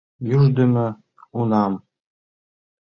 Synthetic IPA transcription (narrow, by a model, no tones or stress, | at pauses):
jyʒd̪ɘ̆mɘ̆ | unɑm